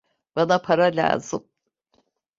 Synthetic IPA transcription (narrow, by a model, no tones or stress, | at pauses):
b̥anapʰaɾalʲa̰ːz̥ɯm